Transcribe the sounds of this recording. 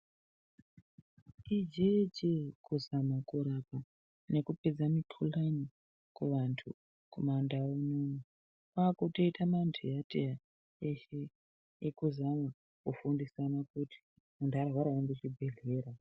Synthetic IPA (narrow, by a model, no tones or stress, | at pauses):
id͡ʒet͡ʃekuzamakuɾapa | ne̞kuped͡zamikʰulani | kweʋantʰṵ | komandaunomu | pakuto̞itʰamantʰijatija | eʃe | jekuzama | kufundisanakutʰi̥ | mundʱaɾaɦwaɾawandet͡ʃibʱe̞ɮe̞ːɾa